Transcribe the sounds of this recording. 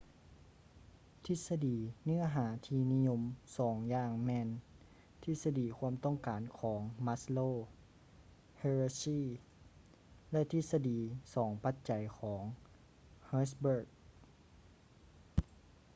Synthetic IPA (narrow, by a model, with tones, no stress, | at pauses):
t̪ʰi˧˥t̪̚sa˧diː˨˩nɯ˥˩˨ɐɦaː˩˦t̪ʰiː˧ni˦˥˨ɲo˧˥msɔː˩˦ŋjaː˧˩ŋmɛː˧n | t̪ʰi˧˩sa˧diː˨˩kʰu˧˥əmt̪ɔ˥˩˨ŋkaː˨˩nkʰɔː˩˦ŋma˧sloː˧˩ | he˧ɹsiː˥˨ | lɛ˧t̪ʰi˧t̪̚sa˧diː˨˩sɔː˩˦ŋpa˧˥t̪̚t͡ɕa˨˩jkʰɔː˩˦ŋ | haː˧˥sbeː˧˩k̚